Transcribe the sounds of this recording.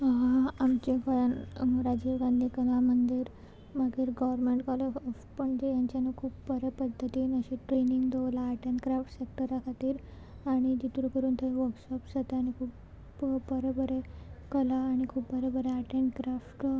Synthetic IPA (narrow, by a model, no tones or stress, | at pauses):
ɦamt͡ɕekɔjanɾad͡ʑeʋɡãnd̪ʱiːkəlamənd̪iːɾ | məɡiːɾɡɔʋəɾmeɳʈkale | pəɳd͡ʑejaɲt͡ɕanəkʰuːpbəɾəpəd̪ʱːət̪iːnəɕiʈɾeniŋɡd̪əʋlaːʈent̪kɾafʈsek̚ʈəɾakʰat̪iːɾ | aɽ̃id͡ʑit̪ɾũkəɾuːnt̪ʰəʋəɾksɔpsat̪eaɽ̃ikʰuːp | bəɾobəɾekəlaːɽ̃ikʰuːpbəɾəbəɾeaʈeɳʈkɾafʈ